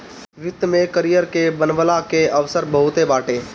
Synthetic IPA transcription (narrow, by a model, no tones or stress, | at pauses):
ʋɪt̪mẽkəɾijəɾkebənʋəlakeɐʋsəɾbəɦʊt̪ebaːʈeː